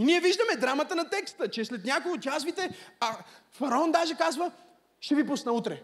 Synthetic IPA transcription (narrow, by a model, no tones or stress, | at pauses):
iniɛviʒd̪əmɛd̪ɾamət̪ənɐt̪ɛkst̪ət͡ʃɛslɛt̪nʲakʊɡʊt̪ʲazvit̪ɛa | fɐɾɐɔnd̪aʒɛkazvə | ʃɛvipusnɐut̪ɾɛ